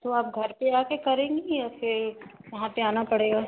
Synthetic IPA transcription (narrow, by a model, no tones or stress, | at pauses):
t̪oaːp̚ɡʱɐɾpeaːkekɐɾẽːŋɡijafɪɾjɐɦãpeaːnapɐɽeːɡaː